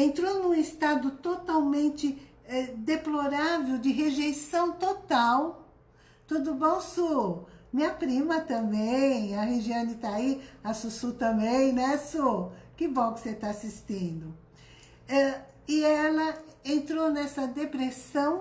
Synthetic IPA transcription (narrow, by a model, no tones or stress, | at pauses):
ẽnt̪ɾonũist̪ad̪ʊt̪ot̪awmẽnt͡ʃɪ | ɛd̪eploɾavewd͡ʒɪɦeʒejsɐ̃w̃t̪ot̪aw | t̪ud̪ʊbõw̃sumĩɐpɾĩmɐt̪ɐ̃bẽj̃ɐheʒiɐ̃nd̪ɪt̪aiasusut̪ɐ̃bẽj̃nɛsokɪbõw̃kɪ̥set̪aasist̪ĩnd̪ʊ | ɛ | ɪɛlɐẽnt̪ɾonɛsɐd̪epɾesɐ̃w̃